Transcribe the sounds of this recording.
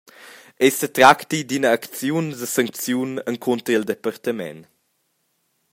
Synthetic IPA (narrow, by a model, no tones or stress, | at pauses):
ɛsət̪ɾakt̪id̪inəːkt͡sjunzəsaŋk̚t͡sjunəŋkʰɔnt̪ɾild̪epart̪əmɛ̰n